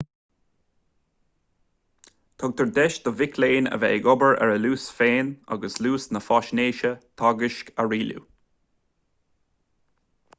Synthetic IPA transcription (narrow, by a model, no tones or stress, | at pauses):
t̪ʰɔɡ̚t̪ʰəɹd̪ɛʃd̪̥əvɪkʰleːnə̰vɛ̰ɪɡɔbəɹɛ̰ɹəluːsfeːna̰ɡəsluːsnəfɔʃneːʃət̪ʰɑɡɪʃkʰaɹiːlṵ